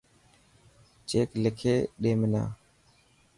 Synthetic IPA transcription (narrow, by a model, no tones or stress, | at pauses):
t͡ʃeːklɪkʰeːɗeːmɪna̰ː